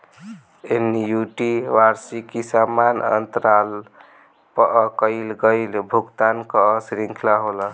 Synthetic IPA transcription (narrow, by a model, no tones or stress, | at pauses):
enjuʈiʋaɾsikisamanə̰nt̪əɾal | pəʔkəɪlɡəjlbʱuɡt̪ankəːsɾiŋkʰlaɦolə